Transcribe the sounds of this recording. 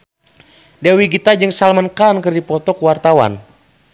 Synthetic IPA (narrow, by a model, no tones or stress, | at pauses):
dɛwiɡit̪ad͡ʒɨŋsalmənkankɨrdipɔt̪ɔkuwart̪awa̰n